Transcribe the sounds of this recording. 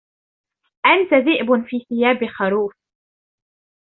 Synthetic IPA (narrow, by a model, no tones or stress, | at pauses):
ʔant̪aðiːʔbnfiːθɪjaːbɪxɑɾuːf